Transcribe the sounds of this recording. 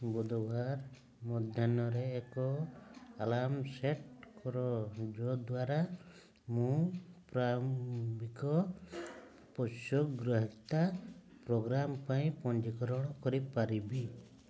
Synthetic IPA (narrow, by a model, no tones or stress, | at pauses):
bud̪ɔbaɾ | mɔd̪ʱjanɔɾeːkɔalamseʈkɔɾɔd͡ʒɔd̪waɾa | mũpɾabikɔ | pɔsɔkɡɾɔɦikt̪a | pɾɔɡɾampaĩpɔnd͡ʒikɔɾɔɽ̃ɔkɔɾipaɾibi